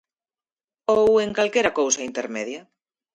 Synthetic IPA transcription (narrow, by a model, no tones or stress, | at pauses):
oweŋkalkeɾakowsaint̪eɾmeðja